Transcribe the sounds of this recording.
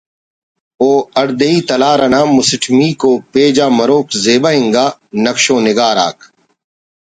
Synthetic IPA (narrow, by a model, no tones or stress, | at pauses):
oːɐɽd̪eiːt̪ɐlaːɾɐnaːmʊsɪʈʰmiːkoːpeːd͡ʒaːmɐɾoːkzeːbaːɦɪ̃ŋɡaːnɐkʃõːnɪɡaːɾa̰ːk